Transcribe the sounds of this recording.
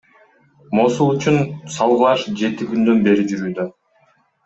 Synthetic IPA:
mo̞sulˠyt͡ʃunsɑlˠʁlˠɑʃd͡ʒe̞t̪iɡynd̪ø̞nbe̞ɾid͡ʒyɾyːd̪ø

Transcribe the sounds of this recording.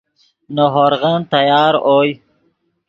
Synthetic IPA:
noɦoɾʁənt̪ɐjɑːɾoːj

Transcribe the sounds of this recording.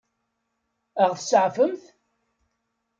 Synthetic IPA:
əʁθəsəʕfəmθ

